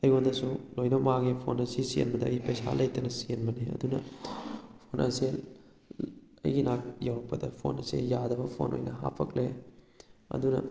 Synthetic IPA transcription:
ɐjondɐsulojnɐbmaŋipʰo̰nɐsisiḛnbɐdɐːjpɐjsa̰lɐjtɐnɐsienbɐniɐ̰dunɐ | pʰonʔɐ̰se | ɐ̰jɡinak̚jawɾɐk̚pɐdɐpʰo̰nɐ̰sḛjadɐbɐpʰo̰nʔo̰jnɐɦa̰pʰɐkle | ɐ̰dunɐ̰

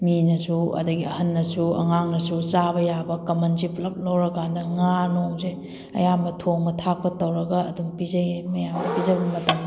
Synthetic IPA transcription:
minɐsuɐ̰dɐɡiɐ̰hɐnːɐsuɐ̰ŋaŋnɐsusabɐjabɐkɐmɐnziplɐp̚lɐwɾɐkʰandɐŋanoŋze | ɐ̰jambɐtʰoŋbɐtʰak̚pɐtɐwɾɐɡɐːdumpizɐjmɐjamdɐpizɐbɐmɐtɐmd

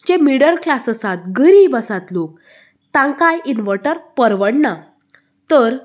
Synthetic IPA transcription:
d͡ʑemiɽəɾklasəsat̪̚ɡəɾiːbəsat̪lok̚ | t̪ãŋkajinʋəʈəɾpəɾʋəɽna | t̪əɾ

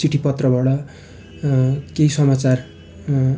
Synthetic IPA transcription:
siʈʰipʌt̪rʌbʌɽʌ | keisʌmat͡sar

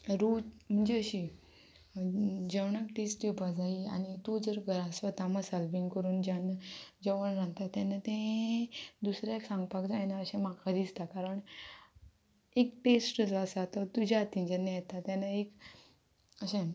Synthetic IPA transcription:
ɾum̤əɳd͡ʑeəɕi | d͡ʑəʋɳəkʈesʈd͡ʑepad͡zaia̰nit̪ud͡zəɾɡəɾasʋət̪aməsalbiŋɡkəɾuːnd͡ʑanəd͡ʑəʋəɳɾãnt̪at̪ãnət̪ẽ | d̪usɾjaeksãŋɡpakd͡zajnaəɕẽmakʰad̪ist̪akaɾəɳ | ekʈesʈəd͡zʋasat̪ət̪ud͡ʑʱat̪ĩnd͡ʑanːejɛt̪at̪jãnaek | əɕẽ

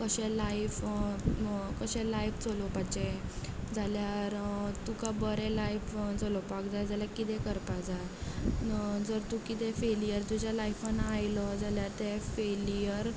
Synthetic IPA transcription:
kəɕɛlajf | kəɕɛ̃lajft͡səlopad͡ʑed͡zaljaɾt̪ukabəɾɛlajfd͡zəlopak̚d͡zajd͡zaljakit̪ɛ̃kəɾpad͡zaj | d͡zəɾt̪ũkit̪ɛfelijəɾd͡z̪ud͡ʑalajfanaajlɔd͡zaljaɾt̪efelijəɾ

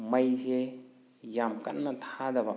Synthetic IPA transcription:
mɐjze | jamkɐ̰tnɐtʰadɐbɐ

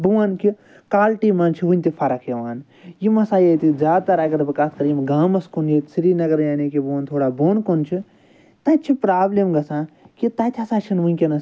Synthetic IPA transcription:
buʋanki | kaːlʈiːmaːnt͡ʃʰiʋunʲt̪ifʰɐɾɐkʰjɐʋaːn | jimɐsaːjet̪izaːd̪̚t̪ɐɾakɐɾbɨkaːt̪ʰkɐɾjimɡaːmɐskunjet̪siɾiːnɐɡɐɾjaːnikibuʋaːnt̪ʰoːɽaːboːnkont͡ʃʰi | t̪ɐt͡ʃʰipɾaːblemɡɐsãːkit̪ɐt̪ʲʰɐsaːt͡ʃʰinʋunʲkʲɐnɐ

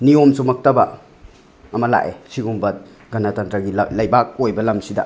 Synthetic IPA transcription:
niomsumɐk̚tɐbɐ | ɐmɐla̰ʔesiɡumbɐt̚ | ɡɐnatantɾaɡillɐjbak̚ojbɐlɐmsidɐ̰

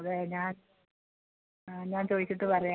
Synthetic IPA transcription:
ðeɲaːn | ɲaːnt͡ɕo̞ːðit͡ɕːiʈːɨpɐrɐja

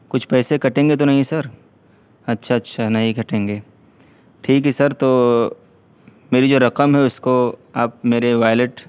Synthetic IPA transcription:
kʊt͡ʃʰpɛːsekɐʈẽːŋɡet̪̬onɐɦĩsɐɾ | ɐtːʃʰaɐtːʃʰanɐɦĩkɐʈẽːŋɡeː | ʈʰiːkɦɛsɐɾt̪oː | meːɾid͡ʒoːɾɐqəmɦɛʊskoaːp̚meːɾeʋaːjleʈ

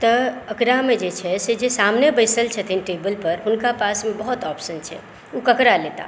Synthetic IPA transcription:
t̪əəkɾamẽd͡ʒet͡ʃʰɛsed͡ʒesaːmnebəɪsəlt͡ʃʰət̪ʰinʈeːbəlpəɾɦʊnkapaːsmẽbəɦɔt̪ɔːpʃənt͡ʃʰɛ̰ | ukəkɾaleːt̪a̰

